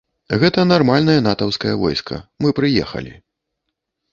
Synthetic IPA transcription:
ɣɛt̪ɐnarmalʲnɐjɐnat̪ɐwskɐjɐvɔ̰jskʰɐ̰mɨpɾɨjɛ̰xɐ̰lʲḭ

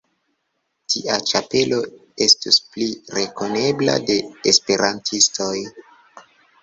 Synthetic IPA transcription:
tiat͡ʃape̞lʔo̞ | e̞stuspliɾe̞ko̞ne̞bla̰de̞ːspe̞ɾantʰisto̞j

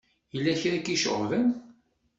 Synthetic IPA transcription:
jəlːæçɾækːiʃə̰ʁɾən

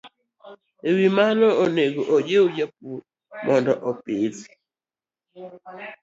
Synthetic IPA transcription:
ewimanɔoneɡoʔod͡ʒeod͡ʒap̚u | mʔɔndɔʔɔpizi

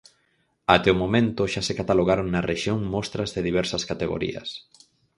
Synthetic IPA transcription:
at̪eomomẽnt̪ʊʃasɪkat̪aloɣ̞aɾoŋnɐreʃjoŋmɔst̪ɾɐzðeðiβ̞ɛɾsɐskat̪eɣo̰ɾḭɐ̰s

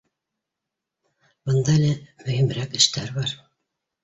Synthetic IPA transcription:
bɤ̆nd̪ɑlæmɵ̆himɾækɘ̆ʃt̪æɾbɑɾ

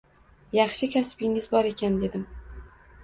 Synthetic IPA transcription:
jɑχʃɪkʲaspɪŋɪzbɒɾe̞kʲand̪e̞d̪ɪm

